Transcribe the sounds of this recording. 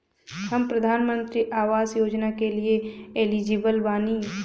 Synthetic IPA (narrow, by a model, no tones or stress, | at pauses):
həmpɾəd̪ʱaːnmə̃nt̪ɾiʔaːʋaːzjoːd͡ʒnakelieelid͡ʒiːbəlbaːniː